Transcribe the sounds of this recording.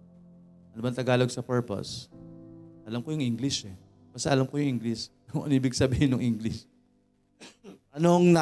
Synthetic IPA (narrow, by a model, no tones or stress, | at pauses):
ʔɐnʊbɐnt̪ɐɡaːloɡsɐpɛɹpo̰s | ʔɐlamkojʊŋʔɪŋɡlɪʃɛ | bɐsɐʔɐlamkojʊŋʔɪŋɡlɪsnʊʔɐ̰ŋʔiːbɪɡ̚sɐbiːhɪnːʊŋʔɪŋɡlɪs | ʔɐnoŋnɐ